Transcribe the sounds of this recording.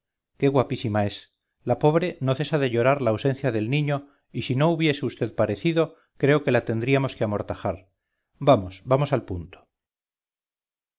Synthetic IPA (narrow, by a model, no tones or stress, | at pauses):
ke̞ɣwapisimae̞s | lapo̞β̞ɾe̞no̞θe̞saðe̞ʎo̞ɾaɾlaːwse̞n̟θjaðe̞lnĩɲo̞ | isino̞uβje̞seust̪e̞ðpaɾe̞θiðo̞ | kɾe̞o̞ke̞lat̪e̞nd̪ɾiamo̞skeamo̞ɾt̪axaɾ | bamo̞sbamo̞salpunt̪o̥